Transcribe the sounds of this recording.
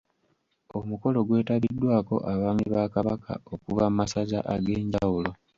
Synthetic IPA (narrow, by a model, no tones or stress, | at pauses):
o̞muko̞lo̞ɡwe̞ːtaβidːwaːko̞̰ʔaβaːmiβaːkaβakʰa̰okuvammasaɟa̰ʔaɡeːɲɟawulo̞